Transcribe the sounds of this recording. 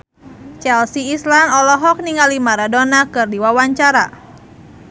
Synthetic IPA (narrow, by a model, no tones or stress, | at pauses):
t͡ʃɛlsiːslanɔlɔɦɔk̚niŋalimaɾadonakɨrdiwawaɲt͡ʃaɾa̰